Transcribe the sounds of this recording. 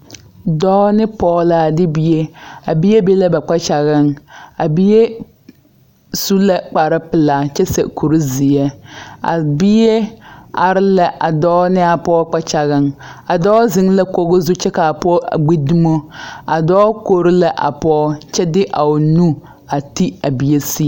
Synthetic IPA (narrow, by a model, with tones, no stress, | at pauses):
dɔː˦nɪ˦pɔː˦˨˦la˨dɪ˦bi˦je˦a˨bi˦je˦be˦la˦ba˨k͡pa˦t͡ʃa˨ɣɪ˦ŋa˨bi˦je˦ | su˦la˨k͡pa˨ɾɪ˦pɪ˨laː˨t͡ʃɛ˦sɛ̰˨kʰu˨ɾi˦zi˨ɛ˦a̰˨bi˦je˦a˨ɾɪ˦la˨ʔa˨dɔː˦nɪ˦a˨pɔː˦k͡pa˦t͡ʃa˨ɣɪ˦ŋa˨dɔː˦zɪ˦ŋ˦la˦ko˦ɣʊ˦zu˦t͡ʃɛ˦ka˨pɔ˦˨ɡ͡bi˦du˦mo˦a˨dɔː˦ko˨ɾɪ˦la˦ʔa̰˨pɔː˦t͡ʃɛ˦dɪ˦ʔa˨ʊ˨nu˦ | a˨ti˦a˨bi˨e˦si˦˨